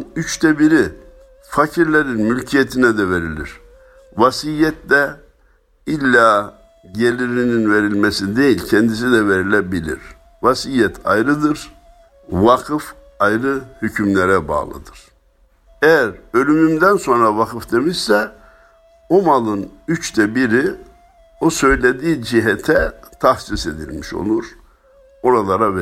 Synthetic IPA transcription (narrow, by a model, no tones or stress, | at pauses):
nyt͡ʃt̪ʰɛbiɾi | facʰiɾlʲeɾinmylʲcʰijet̪ʰinɛd̪ɛveɾilʲḭɾ̥ | vasijɛt̪lɛ | ilʲːaː | ɟelʲiɾininveɾilʲmesid̪ejilʲcʰɛnd̪is̬id̪ɛveɾilʲɛbilʲḭɾ̥ | vasijɛt̪ʰa̰jɾɯd̪ɯɾ | vakʰɯf | ajɾɯhycʰymlʲɛɾɛba̰ːlˠɯ̰d̪ɯɾ̥ | ɛjæɾø̞lʲymymd̪ænso̞nɾavakʰɯfd̪emiʃsɛ | o̞malˠɯnyt͡ʃd̪ɛbiɾi | osø̞jlʲed̪iːd͡ʒiɦɛt̪ʰɛt̪ʰahsise̞d̪ḭlʲmiʃo̞̰lˠuɾ̥ | o̞ɾalˠaɾav